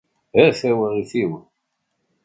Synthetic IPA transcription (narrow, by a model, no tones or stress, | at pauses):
hæθæwəʁiθiwən